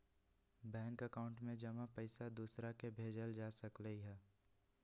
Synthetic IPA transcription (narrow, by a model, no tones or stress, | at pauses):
bɛ̃ːŋkəkaʊ̃ɳʈmẽd͡ʒɐmapəɪsad̪uːsɾakebʱeːd͡ʒəld͡ʒaːsəkləiɦɛː